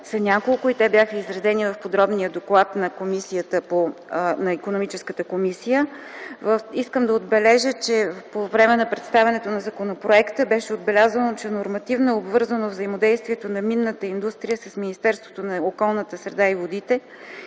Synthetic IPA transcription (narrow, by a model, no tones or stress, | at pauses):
sɐnʲakolˠkʊit̪ɛbʲjaxəizɾɐzɛnivɐfpod̪ɾɔbnijəd̪oklˠat̪nɐkomisijət̪əponɐikonomit͡ʃɛskət̪əkomisijə | vəfiskəmd̪ɐod̪bɛlɛʒət͡ʃɛpovɾɛmɛnɐpɾɛt̪st̪avʲɐnɛt̪onɐzɐkonopɾoɛkt̪əbɛʃɛod̪̚bɛlʲazənot͡ʃɛnoɾmɐt̪ivnoɛobvɤɾzənovzəimod̪ɛjst̪viɛt̪onɐminːət̪əind̪ust̪ɾijəsəsminist̪ɛɾst̪vo̥t̪onɐokɔlˠnət̪əsɾɛd̪aivod̪it̪ɛ